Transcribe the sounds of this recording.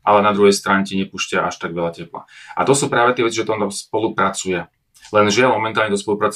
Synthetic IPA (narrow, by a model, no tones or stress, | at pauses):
ʔalɛnad̪ɾuɦɛjst̪ɾaːɲɛciɲɛpuːʃcaʔaʃt̪aɡʋɛlʎacɛpla̰ʔa̰t̪ɔsuːpɾaːʋɛt̪ɪɛʋɛt͡siʒɛt̪ɔnt̪amspɔlupɾat͡sujɛ | lɛnʒɪalmɔmɛnt̪aːlɲɛt̪ɔspɔlupɾat͡s